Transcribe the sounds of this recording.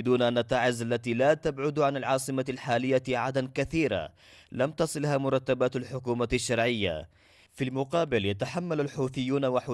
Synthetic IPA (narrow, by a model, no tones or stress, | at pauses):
d̪uːnaʔanːat̪ːaːʕɪzʔalːat̪iːlaːt̪abʕʊd̪ʕanalʕɑːsˤɨmalħaːlɪjːaʕad̪ankaθiːɾa̰ | lamt̪ɑsˤɨlhaːmʊɾˤɑt̪ːabaːt̪alħʊkuːmaaʃːɑɾˤʕɪjːa̰ | filmʊqɑːbɪljat̪aħamːalalħuːθɪjːuːnawaħuː